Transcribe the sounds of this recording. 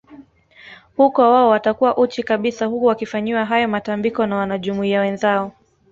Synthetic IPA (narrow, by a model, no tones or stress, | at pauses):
hukɔwaɔwatakuwaʔut͡ʃikaɓisahukuwakifaɲiwaɦajɔmatambikɔnawanaʄumuiawɛnzaɔ